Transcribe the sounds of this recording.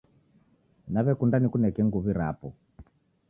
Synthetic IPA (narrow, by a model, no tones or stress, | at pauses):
naβɛkundanikunɛkɛŋɡuβiɾa̰pɔ